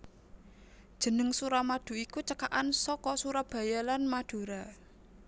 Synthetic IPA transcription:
d̥ʒ̥ə̤nəŋsuɾamad̥ṳikut͡ʃəkaʔansɔkɔsuɾab̥ä̤jalanmad̥ṳɾa

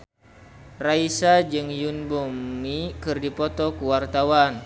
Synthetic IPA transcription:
raisad͡ʒɨŋjunbɔmːikɨrdipɔt̪ɔkuwart̪awan

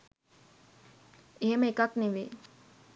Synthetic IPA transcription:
eɦeməekakneʋḛː

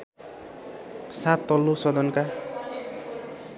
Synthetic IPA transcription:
sat̪ːʌlːosʌd̪ʌnka

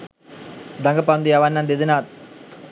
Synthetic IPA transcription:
d̪ɐŋɡɐpand̪ijaʋanːand̪ed̪inaːt̪̚

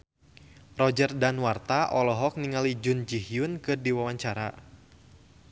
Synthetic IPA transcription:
rɔd͡ʒərdanwart̪aʔɔlɔɦɔk̚niŋalid͡ʒʊnd͡ʒiɦiʊnkɨrdiwawaɲt͡ʃaɾa

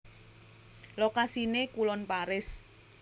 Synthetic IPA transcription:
lokasinekulɔnpaɾɪs

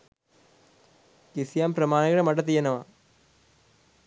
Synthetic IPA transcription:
kisjaːmpɾɐmaːnɐɣɐɽɐmɐʈːɐt̪̬ːijɐnɐʋa

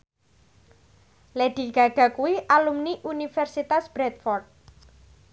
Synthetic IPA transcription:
leɖ̪̥i̤ɡ̥a̤ɡ̥a̤kuwiʔalumniʔunifɛrsit̪asb̥ɾɛt̪̚fɔrt̪̚

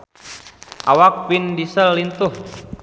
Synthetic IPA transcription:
ʔawak̚bindisəlːint̪uh

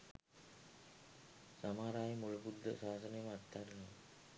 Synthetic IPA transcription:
samaːɾaːjemulubud̪ʱːəsaːsənejməat̪ːaɾənoʋ

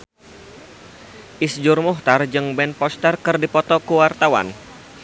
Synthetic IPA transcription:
ʔisd͡ʒʊrmuɦt̪ard͡ʒɨŋbɛnpɔst̪ərkɨrdipɔt̪ɔkuwart̪awa̰n

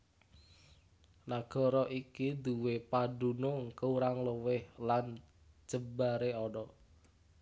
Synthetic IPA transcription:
naɡ̥ɔ̤ɾɔʔikid̪uwepaɖṳnoŋkəuɾaŋləwɪhlan | d͡ʒ̥əbaɾeɔɖɔ

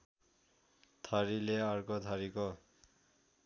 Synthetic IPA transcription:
t̪ʰaɾileaɾkɔt̪ʰaɾikɔ

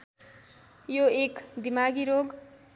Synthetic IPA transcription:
joekd̪imaɡiɾoɡ

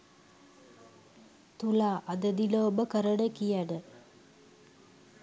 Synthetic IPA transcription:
t̪ulaːʔad̪əd̪iləobəkəɾəɖəkijaɖə

